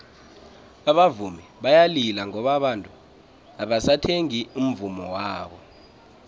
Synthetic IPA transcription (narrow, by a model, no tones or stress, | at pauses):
aɓavumiɓajalilaŋɔɓaɓantʼu | aɓasatʰeŋium̩vumɔwaːɓɔ